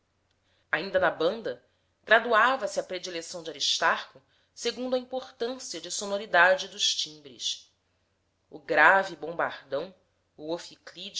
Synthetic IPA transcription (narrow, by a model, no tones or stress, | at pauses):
aĩnd̪ɐnɐbɐ̃nd̪ɐ | ɡ̥ɾad̪uavɐsɪɐpɾed͡ʒilesɐ̃w̃d͡ʒaɾiʃt̪aɾkʊ | seɡũnd̪ʊɐĩpoχt̪ɐ̃siɐd͡ʒɪsonoɾid̪ad͡ʒɪd̪ʊʃt͡ʃĩbɾḭs | ʊɡɾavibõba̰ɾd̪ɐ̃w̃ | uofiklid͡ʒ